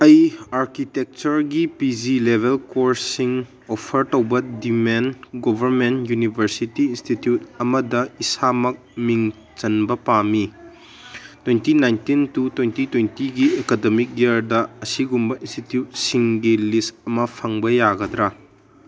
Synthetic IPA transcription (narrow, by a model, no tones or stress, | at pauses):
ɐjaɾkitek̚t͡ʃɐɾɡipid͡ʒilebʱelkoɾsiŋ | opʰɐɾtowbɐdimenɡobʱɐɾmentjunibʱɐɾsitiːnstitjutɐmɐdɐisamɐk̚miŋ | t͡ʃɐnbɐpami | twentinajntintutwentitwentiɡiekademik̚ɡɐɾdɐɐsiɡumbɐĩnstitjut̚siŋɡilistɐmɐpʰɐŋbɐjaɡɐd̪ɾɐ